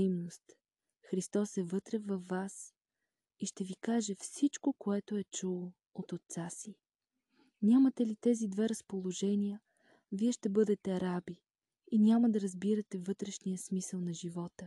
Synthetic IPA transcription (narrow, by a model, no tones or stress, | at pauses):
mnost̪ | xɾist̪ɔsɛvɤt̪ɾɛvɐfːas | iʃt̪ɛvikaʒɛfsit͡ʃkokoɛt̪oɛt͡ʃulˠo | ot̪ot̪sasi | nʲamət̪ɛlit̪ɛzid̪vɛɾɐspolˠoʒɛniə | viɛʃt̪ɛbɤd̪ɛt̪ɛɐɾabi | inʲaməd̪ɐɾɐzbiɾɐt̪ɛvɤt̪ɾɛʃnijəsmisəlˠnɐʒivɔt̪ə